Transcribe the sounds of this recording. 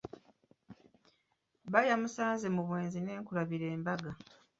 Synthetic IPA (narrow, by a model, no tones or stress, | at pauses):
βajamusaːnze̞muβwe̞ːnzine̞ːŋkuɾaβiɾe̞ːmbaɡa